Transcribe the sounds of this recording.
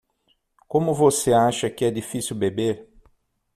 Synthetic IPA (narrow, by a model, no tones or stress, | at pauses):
kõmʊvoseaʃɐkɪɛdifisiwbebeɾ